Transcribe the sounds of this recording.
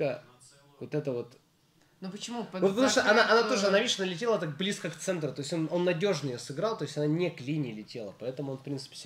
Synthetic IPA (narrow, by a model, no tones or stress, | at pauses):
ə | vot̪ɛt̪əvo̞t̪ | nupət͡ɕɪmup̪upət̪ɐmuʂt̪ʔɐnaʔɐnat̪oʐɨɐnavʲeʂɐnalʲɪtʲe̞lˠət̪ak̚blʲiskəkt̪sɛnt̪ɾʊt̪o̞ɪsʲo̞no̞nːɐdʲo̞ʐnəjosɨɡɾalˠt̪o̞ɪsʲɐnanʲeklʲinʲɪːlʲɪtʲe̞lˠəpɐɛt̪əmʊonfpɾʲint̪sɨ̥pʲɪ̥sʲ